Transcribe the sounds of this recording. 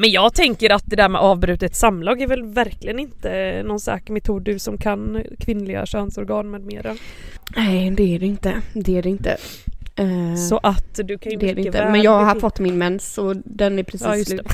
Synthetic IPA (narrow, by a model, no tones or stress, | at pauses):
mɛnjɑːɡt̪ʰɛŋkəɾat̪̚d̪ɛd̪æɾmɛ̰ʔɑːvbɾʉ̟ːt̪ət̪samːlɑːɡæɾvɛlvæɾklɪɡənɪnt̪ənɔnsa̰kmɛt̪ʰuːd̪ɵsɔmkʰankʰvɪnːlɪɡa̰ɕœnsɔɾɡɑːnmeːd̪meːɾanɛɪd̪ɛæɖɛɪnt̪əd̪ɛæɖɛɪnt̪ə̰ | sɔʔat̪d̪ɵkʰand̪ɛæɖɛɪt̪əɛmɛnjɑːɡhaɾfɔt̪ːmɪnmɛnsɔd̪ɛnæɾpʰɾɛsiːjs